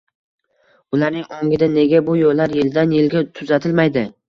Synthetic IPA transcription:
ʊlaɾnɪŋoŋʲɪd̪ane̞ɡʲabʊjolːaɾjeld̪anjelɡʲat̪ʰʊzat̪ʰɪlmajd̪ɪ

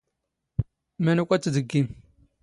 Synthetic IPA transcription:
mænukʷʼat͡sːədəɡim

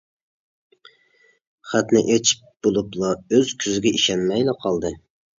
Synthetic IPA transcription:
χæt̪nɪʔet͡ʃʰi̥p̚b̥olˠuplˠɑøz̥kʲʰyzɪɡʲɛiʃɛnmɛjlɪqʰɑlˠd̪ɨ

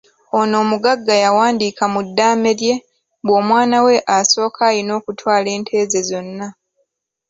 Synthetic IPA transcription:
o̞no̞ːmuɡaɡːajawaːndiːkamudːaːme̞ɾje̞ | bwo̞ːmwaːnawe̞ʔaso̞ːkʰaːjino̞ːkutwaːle̞ːntʰe̞ːze̞zo̞nːa

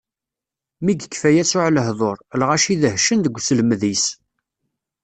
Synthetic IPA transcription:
miɡəkːfæjæsʊʕləɦðˤoɾˤlʁæʃiðəhʃənd̪əɡʷːsəlmðis

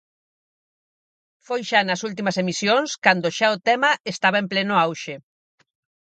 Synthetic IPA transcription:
fojʃanɐsult̪̬imɐsemisjonskand̪oʃaʊt̪ɛmɐest̪aβɐemplenʊawʃe

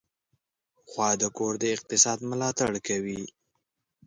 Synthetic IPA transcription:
xwɑd̪əkoɾd̪əɪq̚t̪ɪsɑd̪mʊlɑt̪aɽkawi

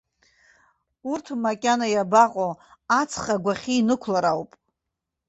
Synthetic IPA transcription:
urtʰmakʲʼanajabaqʼoat͡sʰχaɡʷaχʲiːnɨkʷʰlaɾawpʼ

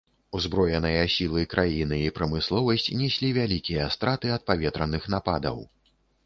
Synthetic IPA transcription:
uzbɾɔjɛnɨjɐsʲilˠɨkɾʔajinɨipɾɐmɨslˠɔvɐsʲt͡sʲnʲɛsʲlʲivʲalʲikʲijɐst̪ɾat̪ɨɐt̪̚pavʲɛt̪ɾɐnɨxn̪apa̰d̪ɐ̰w

